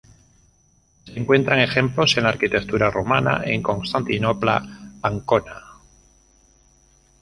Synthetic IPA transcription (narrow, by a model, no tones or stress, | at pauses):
se̞ŋkwe̞nt̪ɾaŋe̞xe̞mplo̞se̞nlaːɾkit̪ekt̪uɾaromana̰ʔe̞ŋko̞nst̪ant̪ino̞pla̰aŋko̞na